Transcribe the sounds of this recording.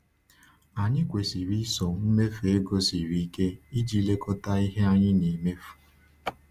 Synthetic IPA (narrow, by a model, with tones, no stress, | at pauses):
a˨ɲɪ˦kʷe˨si˨ɾi˦so˨m̩˦me˦fu˨e˦ɡo˦si˨ɾi˨˦ke˦i˦d͡ʒi˦le˦kʊ˦ta˦i˦ɦe˦a˦ɲɪ˦ni˨me˦fu̥˨